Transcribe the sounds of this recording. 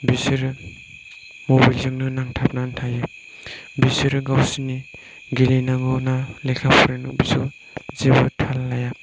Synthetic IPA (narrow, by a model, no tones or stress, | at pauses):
bisiɾ | mobajlzɯŋnɯnaŋtʰap̚naːntʰajɯ | bisiɾɡawsini | ɡilinaɡɔnalejkʰapʰɾenubisɯ | zebɯtʰalːaja